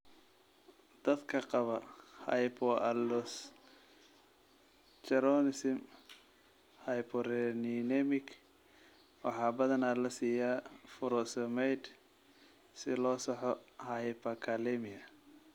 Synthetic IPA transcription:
d̪̥ɐd̪kʰɐqɑβɐhɐjpʰɔɐlɔs | t͡ʃɛɾɔnɪsɪm | hɐjpʰɔɾɛninɛmɪk | wɑ̰ħɑːbɐðɐnaːlɐsiːjafʊɾɔsɛmɛjd̪ | sɪlɔːsɑħɔhɐjpɐkʰɐlɛmɪɐ

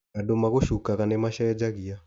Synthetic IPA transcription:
kadomaɣoʃukaɣanemaʃaɛd͡ʒaɣia

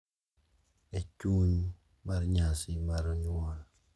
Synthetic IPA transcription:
et͡ʃuɲ | marɲasɪmaɾoɲɔl

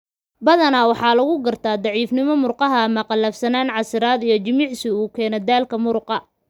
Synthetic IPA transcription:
bɐðɐnawɑħɑːlɐɣʊɡɐrt̪ʰaːd̪ɑʕiːfnɪmɔmʊrqɑɦɐmɐqɑlɐːfsɐnaːnʕɑsɪɾaːd̪ijɞt͡ʃɪmɪʕsɪuːkʰɛːnɛd̪aːlkʰɐmʊɾʊqɑ

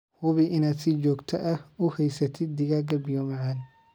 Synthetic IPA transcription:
hʊβɪʔɪnaːd̪sɪt͡ʃɔːɡt̪ʰɐʔɐhʊhɛjsɐt̪ʰɪd̪̚d̪ɪɣaɡɐbɪjɔmɐʕaːn

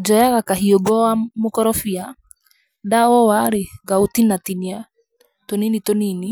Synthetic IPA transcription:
d͡ʒɔjaɣakaɦioɡɔamokɔɾɔfia | ndaɔwaɾeɡautinatinia | toninitonini

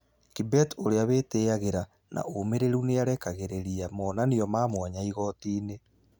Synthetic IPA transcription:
kibɛtoɾeaβeteaɣeɾa | nʔa̰omeɾeɾuneaɾɛkaɣeɾeɾiamɔːnanejɔmaːmwaɲaiɣɔtiːne

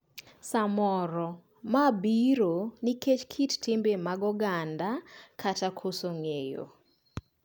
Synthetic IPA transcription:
samɔɾɔ | mabiɾoniket͡ʃkʰittɪmbemaɡɔɡandakʰatakʰosoŋejo̰

